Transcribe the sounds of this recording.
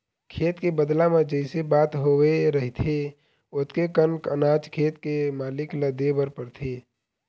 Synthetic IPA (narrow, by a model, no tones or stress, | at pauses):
kʰeːt̪kebəd̪lamẽd͡ʒəɪsebaːt̪ɦoweɾəɦit̪ʰe | ʊt̪kekənkənaːt͡ʃkʰeːt̪kemaːlɪkləd̪ebəɾpəɾt̪ʰeː